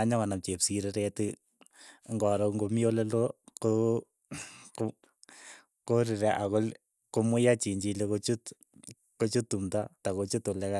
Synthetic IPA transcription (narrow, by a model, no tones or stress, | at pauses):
aɲakanap̚t͡ʃepsiɾeɾetɪ | ŋɡɔɾɔkŋɡomioleloko | ko | koɾiɾeʔakol | komʊjat͡ʃiɲd͡ʒilekot͡ʃut | kot͡ʃutːumtatakot͡ʃutolɛka